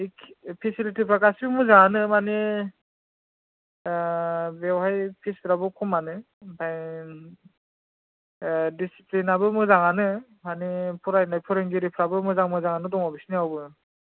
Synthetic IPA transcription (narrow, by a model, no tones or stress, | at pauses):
ikpʰisilitipʰɾakasibmɯzaŋanɯmani | bewhajpʰisʰɾabɯkʰumanɯ | pʰaj | disi̥plinabɯmɯzaŋanɯ | manipʰuɾajnajpʰuɾeŋɡiɾipʰɾabɯmɯzaŋmɯzaŋanɯdɔŋɔbisniawbɯ